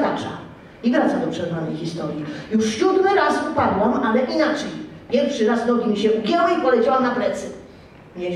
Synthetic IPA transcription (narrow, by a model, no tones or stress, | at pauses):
k̪at͡ʂa̰ | ibɾat̪sad̪ɔpʂɛznanɛjxʲist̪ɔɾʲjijuʂɕud̪mɘɾasupad̪wamalɛʔinat͡ʂɛjpʲjɛɾkfʂɘɾaznɔɡʲimʲiɕɛʔuɡʲjawaipɔlɛt͡ɕawamnapɾɛt̪sɘ | ɲɛ